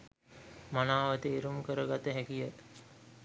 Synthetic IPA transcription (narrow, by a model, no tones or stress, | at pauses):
manaːʋət̪eːɾumkəɾəɡat̪əɦækijət̪